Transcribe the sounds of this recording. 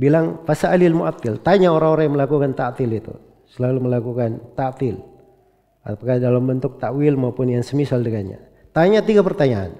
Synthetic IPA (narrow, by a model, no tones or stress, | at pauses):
bilaŋfasaːlɪlmuʔat̪ːɪlt̪aɲaoɾaŋoɾaŋjaŋməlakukant̪aʔt̪ɪlit̪ṵ | səlaluməlakukant̪aʔt̪ɪl | a̰pakadalambənt̪ʊk̚t̪aʔwɪlmaupʊnjaŋsəmisaldəɡaɲa̰ | t̪aɲat̪iɡapərt̪aɲaa̰n